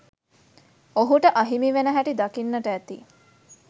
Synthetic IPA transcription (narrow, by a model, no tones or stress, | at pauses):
oɦuʈəʔaɦimiʋenəɦæʈid̪akinːəʈəːt̪i